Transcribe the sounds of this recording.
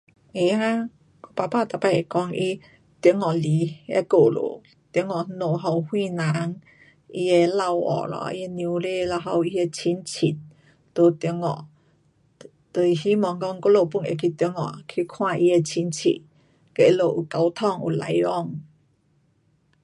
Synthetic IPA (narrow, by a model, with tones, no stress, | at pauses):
ʔe˨˧a˦ | ko˧˦pa˧paː˥˧˨t̪a˨˧˩pa˧˩˨e˨kɔ˧ŋʔi˧˦ | t̪ŋɔ˨li˨˦ḛ˧˦ko˧˨lo̰˨ | t̪i˧˦ŋɔ˨˦no˨˩ɦa˧˩whwĩ˥˧˨na˨˦ŋ | i˧e˧la˧wɔ̰˨˩˨lɔ̰˧˦ʔḭ˧e˧njũ˧˦le˥˧˨la˧ɦa˧wi˧e˧t͡ɕʰi˧˦nt͡ɕʰi˨t̪̚ | t̪o˧˦t̪i˧˦ŋɔ̰˨ | t̪o˧˩i˨hi˦mɔ˨˩ŋkɔ˧ŋko˧˦lo˧˨pu˧˨nḛ˨kʰi˧t̪ŋɔ̰˨kʰi˧kʰw̃ã˥˧ʔi˧e˧t͡ɕʰi˧˦nt͡ɕʰḭ˧˨t̪̚ | ke˧˨˧lo˧˨ʔu˨˩ka˨˧wt̪ʰɔ˥˧˨ŋṵ˨la̰˨˦jɔ˥˧ŋ